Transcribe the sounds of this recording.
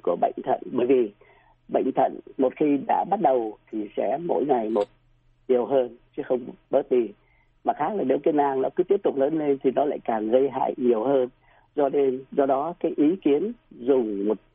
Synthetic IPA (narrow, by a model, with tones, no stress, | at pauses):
ku˧˩əɓə̰˧˨jŋ̟t̪ʰə̰˧˨nɓəː˧˩jvi˨˩ | ɓə̰˧˨jŋ̟t̪ʰə̰˧˨nmo˨˩t̚xi˧ɗa̰ː˧˥ɓa˦˥t̚ɗə˨˩wt̪ʰi˨˩sɛ̰˧˥mo̰˧˥jŋa˨˩jmo˨˩t̚ | ɲi˨˩əwɦəː˧nt͡ɕɨ˨˦xə˧wŋ͡mɓəː˦˥t̚ɗi˧ | maː˨˩xaː˦˥k̚laː˨˩ne˨˦wki˧nʔaː˧˩ŋnɔ˨˦kɨ˨˦t̪i˦˥əp̚t̪ʊ˨˩k͡p̚ləː˨˦nle˧nt̪ʰi˨˩nɔ˨˦la̰ː˧˨jkaː˨˩ŋɣə˧jɦa̰ː˧˨jɲi˨˩əwhəː˧n | zɔ˧ɗe˧nzɔ˧ɗɔ˨˦kaː˨˦jʔi˨˦ki˨˦ənzʊ˨˩ŋ͡mmo˨˩t̚